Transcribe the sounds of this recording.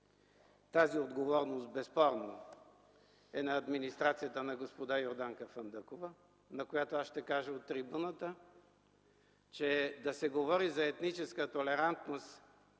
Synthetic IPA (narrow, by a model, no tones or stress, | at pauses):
t̪aziod̪ɡovɔɾnost̪̚bɛspɔɾnə | ɛnɐːd̪minist̪ɾat̪sijət̪ənɐɡospod̪ajoɾd̪aŋkəfənd̪əkovə | nɐkojat̪oasʃt̪ɛkaʒəot̪ːɾibunət̪ə | t͡ʃɛd̪ɐsɛɡovɔɾizɐɛt̪nit͡ʃɛskət̪olɛɾant̪nost̪